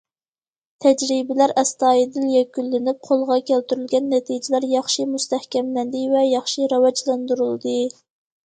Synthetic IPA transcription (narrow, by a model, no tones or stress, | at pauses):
t̪ʰɛd͡ʒɾibɪlæɾɛst̪ɑːjid̪ɪljɛkʲylːɪnɪp̚qʰolˠʁɑkʲʰælt̪yɾylɡʲɛnːɛt̪ʰid͡ʒɪlæɾjɑχʃimust̪ɛhkʲɛmlænd̪ɪvɛjɑχʃiɾɑwɑd͡ʒlˠɑnd̪uɾulˠd̪ɨ